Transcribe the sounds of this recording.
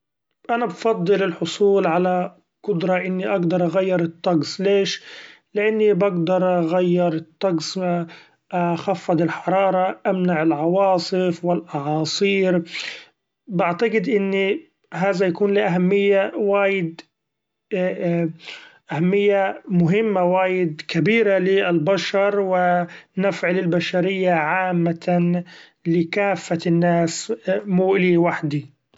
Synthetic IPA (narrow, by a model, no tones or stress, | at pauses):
ʔanabfɑd̪ˤːɨlɪlħʊsˤuːlʕala | qʊd̪ɾˤɑʔɪnːiʔaɡd̪ɑɾˤʔaɣajːɪɾˤɨt̪ˤːɑɡsleːʃlɪʔanːibaɡd̪ɑɾˤʔaɣajːɪɾˤɨt̪ˤːɑɡs | ʔaxafːɑd̪ˤɪlħɑɾˤɑːɾˤɑʔamnaʕɪlʕɑwɑːsˤɨfwɪlʔɑʕɑːsˤiːɾ | baʕt̪aɡɪd̪ʔɪnːi | ɦaːðajakuːnliʔaɦamːɪjːawaːjɪd̪ | ʔahamːɪjːamʊɦɪmːawaːjɪd̪kabiːɾalɪɪlbaʃɑɾˤwɪnafʕalɪlbaʃaɾɪjːaʕaːmːa | lɪkaːfːaɪnːaːsmuːʔliwaħd̪i